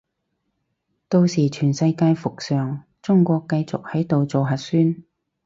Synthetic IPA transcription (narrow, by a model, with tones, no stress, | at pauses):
t̪o˧wsiː˨˩t͡ʃʰyː˨˩nsɐ˧jkaː˧jfʊ˨k̚sœː˨ŋ | t͡sʊ˥ŋkʷɔː˧kːɐ˧jt͡sʊ˨k̚hɐ˨˥jt̪o˨wt͡so˨wɦɐ˨t̚syː˥n